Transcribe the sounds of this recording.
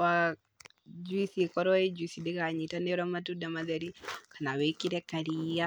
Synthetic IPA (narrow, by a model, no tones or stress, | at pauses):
wa | d͡ʒuisiekɔɾɔed͡ʒuisidekaɲitanɛɾɔmatudamaðaɾikanawekiɾɛkaɾia